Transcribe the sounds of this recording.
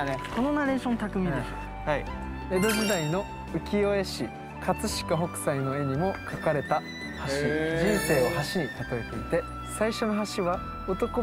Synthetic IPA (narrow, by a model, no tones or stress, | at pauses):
ko̞nonaɾe̞ːɕõnt̪akɯ̟mʲĩeo | hai | e̞d̪o̞ʑid̪aino̞ | ɯ̟kʲio̞e̞ɕi | kʰat͡sɨɕi̥kaɦo̞kɯ̟̥saino̞e̞ɲ̟imo̞kʰakaɾe̞t̪a | haɕid͡ʑĩñse̞ːohaɕiɲ̟it̪at̪o̞et̪eit̪e̞ | saiɕo̞no̞ɦaɕiβa | ot̪o̞ko